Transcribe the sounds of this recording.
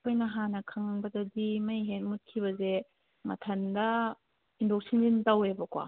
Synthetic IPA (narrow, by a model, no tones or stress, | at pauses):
kʰojnɐɦanɐkʰɐŋbɐdɐdimɐjɦet̚mut̚kʰibɐze | mɐ̰tʰɐndɐ | indok̚sinzintawebɐkwa̰